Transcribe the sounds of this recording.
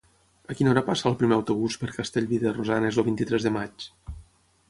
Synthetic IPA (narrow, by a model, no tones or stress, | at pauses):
əkinoɾapasəːlˠpɾimeəwt̪uβ̞uspəɾkəst̪eʎβiðerozanezəlˠβint̪it̪ɾɛzðəmat͡ʃ